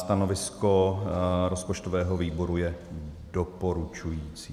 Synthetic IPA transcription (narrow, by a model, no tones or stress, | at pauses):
st̪ano̞vɪsko̞ɾospot͡ʃt̪o̞vɛːɦo̞viːbo̞ɾujɛ | dopo̞ɾut͡ʃujiːt͡siː